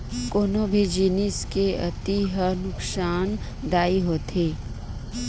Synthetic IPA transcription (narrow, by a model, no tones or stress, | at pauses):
koːnobʱid͡ʒiːnɪskeɐ̰t̪iɦənʊksaːn | ɖaːiɦoːt̪ʰeː